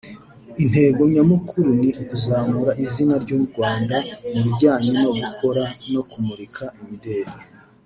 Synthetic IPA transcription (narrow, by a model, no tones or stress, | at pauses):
in̥he̞ːɡo̞ɲamukuɾuniʔkuzaːmuɾaʔizinaɾɟoːmuɾɡwaːndamuɾiɟaːɲeno̞ɡukʰo̞ɾano̞kumuɾikʰaimide̞ːɾe